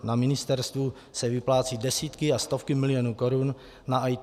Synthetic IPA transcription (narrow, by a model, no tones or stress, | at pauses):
namɪnɪst̪ɛɾst̪vu | sɛvɪplaːt͡siːdɛsiːt̪kɪast̪o̞fkɪmɪlɪjonuːkoɾun | naʔaj